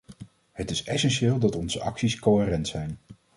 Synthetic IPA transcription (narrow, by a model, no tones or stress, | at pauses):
ɦətɪsɛsɛnʃɪːlˠdɑtɔnzəʔɑ̰ksiskowɦɪːrɛntsɛjn